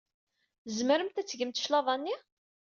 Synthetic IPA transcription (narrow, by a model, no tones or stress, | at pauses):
zməɾəmt̪æt͡sːʝəmt̪ʃlɑðˤɑnːi